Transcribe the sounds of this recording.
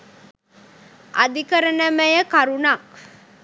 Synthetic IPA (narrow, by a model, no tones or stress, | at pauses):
ʔa̰d̪ikəɾənəməjəkaɾunak̚